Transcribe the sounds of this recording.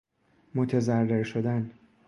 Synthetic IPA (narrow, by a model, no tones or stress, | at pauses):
mot̪ʰezærːeɾʃod̪æn